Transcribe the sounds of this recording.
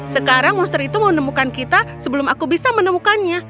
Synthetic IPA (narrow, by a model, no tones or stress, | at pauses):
səkaɾaŋmɔst̪əɾit̪uməmənəmukankit̪asəbəlʊmakubisamənəmukanɲa